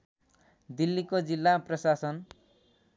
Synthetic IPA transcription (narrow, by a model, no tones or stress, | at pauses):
d̪ilːikod͡zilːaprʌsasʌn